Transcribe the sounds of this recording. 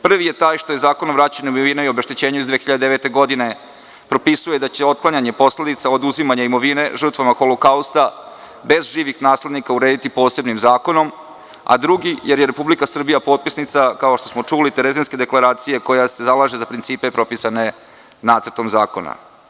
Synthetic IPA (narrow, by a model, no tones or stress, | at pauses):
pr̩ʋije̞t̪aːjʃt̪o̞je̞zaːko̞noʋɾaːt͡ɕaɲeumiʋineiobeʃt̪it͡ɕeːɲuizd̪ʋexiʎad̪eeʋet̪e̞ɡo̞d̪ine̞ | pɾo̞pisuje̞d̪at͡ɕe̞o̞t̪̚klˠaɲaɲe̞po̞sle̞d̪it̪saod̪uzimaɲaimo̞ʋine̞ʒər̩t̪ʋamaxolokaust̪a | be̞zʒiːʋixnaːsle̞d̪nikauɾe̞ːd̪it̪ipo̞ːse̞bnimzaːko̞no̞m | a̰d̪ɾuɡije̞ɾje̞ɾepublikasr̩bijapo̞ːt̪̚pisnit̪sakaoʃt̪o̞smo̞t͡ʂulit̪eɾezenske̞d̪e̞klˠaɾaːt̪sije̞ko̞jase̞zalˠaʒezapɾint̪siːpepɾo̞pisane̞ | naːt̪sr̩t̪o̞mzaːko̞̰na̰